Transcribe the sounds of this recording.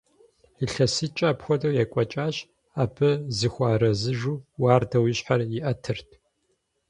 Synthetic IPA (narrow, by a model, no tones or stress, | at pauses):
iɬɐsɨt͡ʃʼɐːpxʷɔdɐwjɛkʷʼɔt͡ʃʼaːɕ | aːbʰɨzɨxʷaːɾɐzɨʒuːwaːrdʰɐwɪɕħarjɪʔɐtʰɨrtʰ